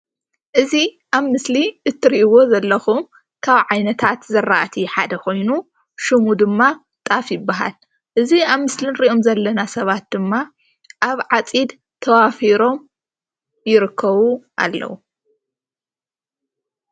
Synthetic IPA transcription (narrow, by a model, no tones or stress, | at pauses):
ʔɨzi | ʔaβmɨsliɨt̪ʰːɨɾiʔiwo̞zɐlːɐxum | kʰaβʕajnɐt̪ʰat̪zɐɾːa̰ʔt̪ʰiħad̪ɐkʰo̞jnu | ʃɨmud̪ɨmːa | t̪ʼafjɪbːaɦa̰l | ʔɨziaβmɨslɨnɾiʔo̞mzɐlːɐnasɐβat̪̚d̪ɨmːa | ʔaβʕat͡sʼid̪ | t̪ʰɐwafiɾo̞m | jɪɾɨkʰːɐβuʔa̰lːɐ̰wu